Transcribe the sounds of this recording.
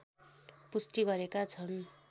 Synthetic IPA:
pusʈiɡʌɾekat͡sʰʌn

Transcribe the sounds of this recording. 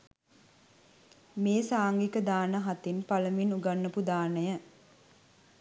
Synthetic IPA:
meːsaːŋɡikəd̪aːnəɦat̪inpaləminuɡanːəpud̪aːnəjə

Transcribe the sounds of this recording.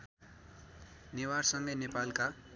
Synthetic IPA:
newarsʌŋɡʌjnepalka

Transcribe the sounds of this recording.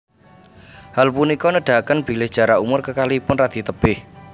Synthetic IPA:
halpunikɔnəɖ̥ä̤kənb̥i̤lɪsd̥ʒ̥a̤ɾaumʊrkəkalipʊnrad̪̥i̤t̪əb̥ɪh

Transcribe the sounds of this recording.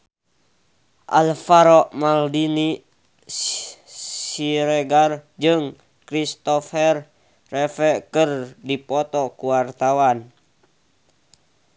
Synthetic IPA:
ʔa̰lfaɾɔʔmaldini | siɾɛɡard͡ʒɨŋ | kɾist̪ɔfɛrː | ɛfɛkərdipɔt̪ɔkuwart̪awan

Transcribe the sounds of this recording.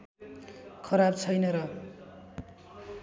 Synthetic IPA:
kʰʌɾabt͡sʰʌjnʌɾʌ

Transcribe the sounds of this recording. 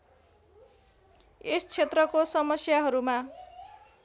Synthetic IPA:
est͡sʰet̪rʌkosʌmʌsjaɦʌɾuma

